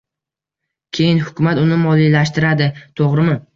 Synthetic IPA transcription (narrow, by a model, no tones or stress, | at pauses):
kʲʰe̞jɪnhʊkʰʲʊmat̪ʊnɪmɒlˠilaʃt̪ɪɾad̪ɪt̪ʰoʁɾɪmɪ